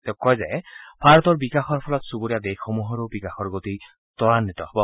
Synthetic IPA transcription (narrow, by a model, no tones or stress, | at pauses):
t̪ekɔjzajbʱaɹɔt̪ɔɹbikaxɔɹpʰɔlɔt̪suboɾijad̪exɔmuɦɔɾobikaxɔɹɡot̪i | t̪ɔɹanːit̪ɔɦɔbɔ